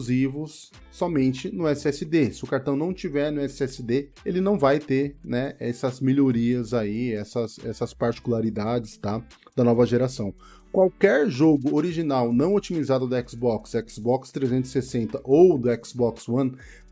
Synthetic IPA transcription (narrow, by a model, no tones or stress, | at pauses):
zivʊsː | ɔmẽnt͡ʃɪnʊɛsɪɛsɪd̪esɪʊkaɾt̪ɐ̃w̃nɐ̃w̃t͡ʃivɛɾnʊɛsɪɛsɪd̪e | elɪnɐ̃w̃vajt̪eɾnɛɛsɐzmiʎoɾiɐzaiɛsɐsɛ̰sɐspaɾt͡ʃi̥kulaɾid̪ad͡ʒɪst̪a | d̪ɐnɔvɐʒeɾasɐ̃w̃ | kwawkɛɾʒoɡʊoɾiʒinawnɐ̃w̃ot͡ʃimizad̪ʊd̪ʊɛksbɔksɛksbɔkst̪ɾezẽnt̪ʊzɪ̥sesẽnt̪ɐʔowd̪ʊɛksbɔkswɐ̃n